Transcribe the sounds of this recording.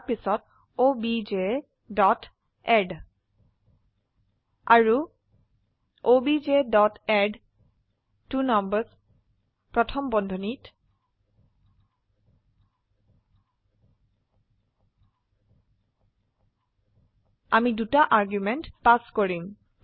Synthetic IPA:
pisɔt | obid͡ʒe | dɔt | ɛd | a̰ɹu | obid͡ʒedɔtɛɖ | tunɔmbəs | pɹɔtʰɔmbɔndʱɔnit | amidutaʔaɹɡjumɛntpaskoɹim

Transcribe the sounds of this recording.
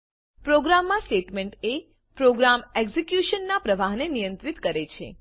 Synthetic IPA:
pɾoɡɾamːãsʈeʈmeɳʈe | pɾoɡɾamɛɡzikjuʃənːapɾəʋaɦnenijə̃nt̪ɾit̪kəɾet͡ʃʰḛ

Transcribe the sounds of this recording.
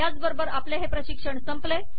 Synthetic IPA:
jat͡sbəɾbəɾapleɦepɾəɕikʂəɳsəmple

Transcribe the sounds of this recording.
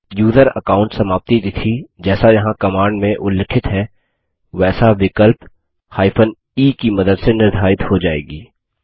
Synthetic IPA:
juːzəɾɐ̰kaːʊ̃ɳʈsɐmaːp̚t̪it̪it̪ʰid͡ʒɛːsajɐɦãkɐmaːɳɖmẽʔʊlːɪkʰɪt̪ɦɛ | ʋɛːsaʋɪkəlp | haːɪpʰən | iːkimɐd̪əd̪senɪɾd̪ʱaːɪt̪hod͡ʒaːḛːɡiː

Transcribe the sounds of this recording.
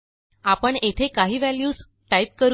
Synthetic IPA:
apəɳet̪ʰekaɦiːʋæljuːs | ʈajp̚kəɾ

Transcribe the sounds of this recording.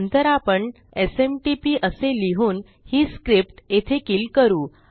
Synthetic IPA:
nt̪əɾapəɳ | esemʈipiːʔəseliɦuːn | hiːskɾip̚ʈet̪ʰekiːlkəɾuː

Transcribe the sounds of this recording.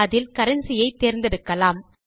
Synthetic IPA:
ðɪlkɐɾɐnsɪjɐɪt̪ːeːɾnd̪ɪɽɯkːɐlaːm

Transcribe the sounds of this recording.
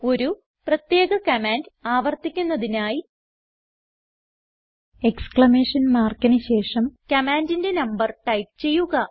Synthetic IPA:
o̞ɾu | prɐt̪je̞ːɣɐkɐmaːndaːʋɐrt̪ikʲːunːɐðinaːji | eksklɐme̞ːʂɐnmaːrkɐnɨɕe̞ːʂɐmkɐmaːndinde̞nɐmbɐrʈɐjp̚t͡ɕe̞jːuɣɐ

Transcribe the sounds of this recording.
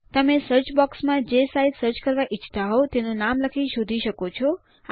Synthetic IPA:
t̪əmesəɾt͡ʃbɔksmãd͡ʒesaid̪səɾt͡ʃkəɾʋaʔit͡ʃʰt̪aɦowt̪enonamləkʰiʃod̪ʱiʃəkot͡ʃʰɔ

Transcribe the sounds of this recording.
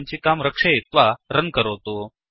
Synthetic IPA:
ɲt͡ɕiːkamɾəkʂeit̪ʋaɾənkəɾəʋt̪o

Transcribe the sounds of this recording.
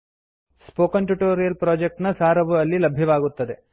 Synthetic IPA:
spoːkɐnʈuʈoːɾijɐlpɾoːd͡ʒek̚ʈnɐsaːɾɐʋɐɐlːilɐbʱjɐʋaːɡut̪ːɐd̪e̞

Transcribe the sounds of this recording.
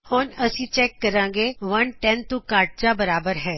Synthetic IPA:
hoːnəsĩːt͡ʃɛːkːəɾãːŋɡeʋənʈɛ̃nt̪ũkaːɾʈ̚t͡ʃabəɾaːbəɾɦɛː

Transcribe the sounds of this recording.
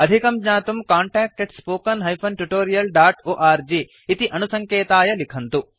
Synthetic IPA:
ɐd̪ʱikɐmd͡ʒɲaːt̪umkaːɳʈaːk̚ʈeɖspoːkɐnɦɐjpʰɐnʈuʈoːɾijɐlɖaːʈoːʔaːɾd͡ʒiː | t̪iʔɐnusɐŋkɛːt̪aːjɐlikʰɐnt̪u

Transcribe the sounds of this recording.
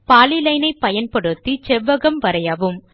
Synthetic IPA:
paːlɪlɐɪnɐɪpːɐjɐnpɐɽɯt̪ːit͡ʃɛʋːɐɣɐmʋɐɾɐjɐʋɯm

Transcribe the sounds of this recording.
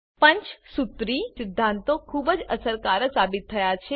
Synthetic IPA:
pə̃ɲt͡ʃsut̪ɾisɪd̪ʱːãnt̪okʰubəd͡ʒəsəɾkaɾəsabɪt̪ʰːəjat͡ʃʰe

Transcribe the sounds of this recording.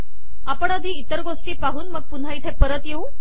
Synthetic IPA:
apəɳad̪ʱiːt̪əɾɡosʈiːpaɦuːnməɡ̚pun̤ait̪ʰepəɾət̪jeu

